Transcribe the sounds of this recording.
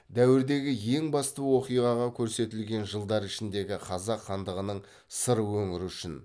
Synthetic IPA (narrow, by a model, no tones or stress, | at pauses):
d̪æwɪɾd̪e̞ɡʲɪje̞ŋbɑst̪əwo̞qijʁɑʁɑkʲʰɵɾse̞t̪ɪlɡʲe̞nʒəlˠd̪ɑɾɪʃɪnd̪e̞ɡʲɪqʰɑzɑqχɑnd̪əʁənəɴ | səɾəwɵŋɪɾʏʃɪn